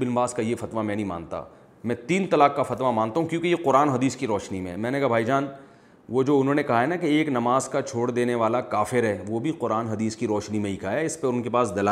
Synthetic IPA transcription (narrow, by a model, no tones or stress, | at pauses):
bɪnbaːskajefɐt̪ʋamɛ̃ːnɐɦĩma̰ːnt̪a̰ː | mɛ̃t̪iːnt̪ɐlaːkːafɐt̪ʋamãːnt̪aːɦũkjõːkejeqʊɾaːnɦɐd̪iːskiɾɔːʃnimḛ̃mɛ̃ːnekabʱaːid͡ʒaːn | ʋod͡ʒoːʊnɦõːnekɐɦaɦɛnakeeːknɐmaːzkat͡ʃʰoːɽd̪eːneʋaːlakaːfɪɾɦɛːʋobʱiqʊɾaːnɦɐd̪iːskiɾɔːʃnimẽikaːjaɪspeʊnkepaːsd̪ɐla